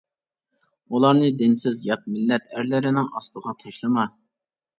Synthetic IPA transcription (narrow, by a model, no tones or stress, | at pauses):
ulˠɑɾnɨd̪ɪnsɪzjɑt̪̚mɪlːɛt̪æɾlɪɾɪnɪŋɑ̰st̪əʁɑt̪ʰɑʃlˠɨmɑ